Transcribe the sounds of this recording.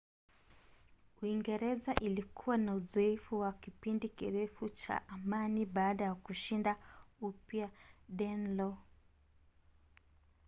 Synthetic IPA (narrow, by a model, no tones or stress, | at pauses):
uiŋɡɛɾɛzaʔilikʰuwanauzɔɛfuwakipindikḭɾɛfut͡ʃa̰ʔamaniɓaːɗajakuʃindaupjaɗɛnlɔ